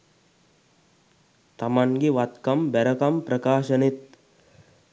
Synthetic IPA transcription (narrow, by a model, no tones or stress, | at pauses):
t̪ɐmɐŋɡiʋɐt̪kɐmbɛɾɐkɐmpɾɐkaːʃɐnit̪̚